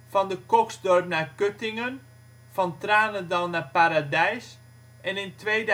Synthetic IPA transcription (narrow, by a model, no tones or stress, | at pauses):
fɑndəkɔksdɔrpnaːkøtɪŋən | fɑntraːnədɔlˠnaːpaɾadɛjs | ʔɛnɪntʋejd